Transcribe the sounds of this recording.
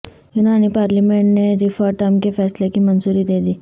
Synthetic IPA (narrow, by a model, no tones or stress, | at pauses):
jʊnaːnipaːɾlimẽɳʈneɾifɔːʈɐmkefʰɛːslekimɐnzuːɾid̪eːd̪iː